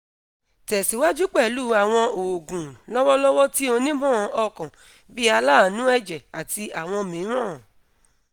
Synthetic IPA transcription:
tɛ˨si˨˦wa˦d͡ʒu˦k͡pɛ˦˨lu˦a˨w̃ɔ̃˧o˨ɡũ˨lɔ˦wɔ˦lɔ˦wɔ˦ti˦o˧nĩ˦bɔ̃˦˨˧ʔɔ˧kã˨ | bi˦a˧la˦˨nũ˦ɛ˦d͡ʒɛ˨a˨ti˧a˨w̃ɔ̃˧mĩ˨˦ɾ̃ã˦˨

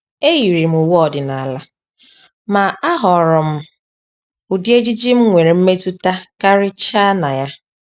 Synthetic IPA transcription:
e˦ji˨ɾi˨m̩˨u˨wɔ˦ɔ˨dɪ˨na˨la˦ | ma˨a˦ɦɔ˨ɾɔ˨m̩˦ | ʊ˨di˦e˦d͡ʒi˦d͡ʒi˦m̩˦ŋʷe˨ɾe˨m̩˦me˦tu˦ta˦ka˦ɾɪ˦t͡ʃa˦na˨ja˦

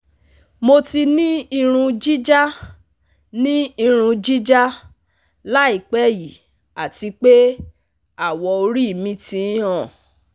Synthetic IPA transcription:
mo˧ti˧nĩ˦i˧ɾ̃ũ˧d͡ʒi˦d͡ʒa˦ | nĩ˦i˧ɾ̃ũ˧d͡ʒi˦d͡ʒa˦ | la˦i˦˨k͡pɛ˦ji˨ | a˨ti˨˧k͡pe˦ | a˦˨wɔ˧o˧ɾi˦˨mĩ˧˦tĩ˧˦ɔ̃˦˨

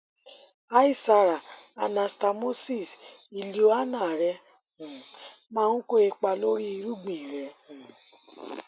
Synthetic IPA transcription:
a˦i˦˨sa˧ɾa˨a˨nã˨sta˧mo˦si˦˨si˨li˨˦o˦a˦nã˦˨ɾɛ̃˧˦˨ | mãː˦ũ˦ko˦e˧k͡pa˧lo˦ɾi˦i˧˦ɾu˦ɡ͡bĩ˨ɾɛ˨

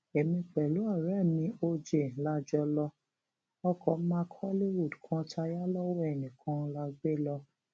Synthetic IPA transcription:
ɛ˨mĩ˧k͡pɛ˨lo˨˦a˦˨ɾɛ˦˨mĩ˧o˧d͡ʒe˨n̩˨la˧d͡ʒɔ˧lɔ˧ | ɔ˧kʰɔ˨˦mã˦kʰɔ˦li˦wu˦˨dkʰã˦tʰa˧ja˦lɔ˦wɛ˦˨nĩ˨kʰã˦la˧ɡ͡be˦lɔ˧

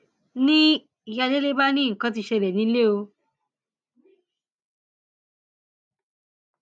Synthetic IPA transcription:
nĩ˦ | i˧ja˧de˦le˦ba˦nĩ˦ŋ̩˨kã˧˦t̬i˧ʃɛ˧lɛ˨nĩ˧˦le˦o˧

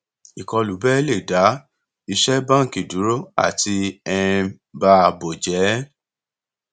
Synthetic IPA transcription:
i˨kɔ˧lu˨˦bɛ˦le˦˨da˨˦ | i˧ʃɛ˦bã˦˨ki˨du˨˦ɾo˦a̰˦˨ti˧ɛ̃˧ɛ̃˧ | ba˦˧bo˨d͡ʒɛ˨˦

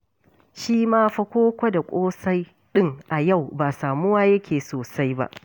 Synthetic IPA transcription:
ʃiː˦maː˦ɸɐ˦kʷoː˦kʷɐ˦da˨kʷʼoː˦sa˦j | ɗɪ˦ŋʔa˨ja˦˨wbaː˨saː˨mʊ˦waː˦jɐ˦kʲeː˨soː˨sa˦jba̰˦ʔ

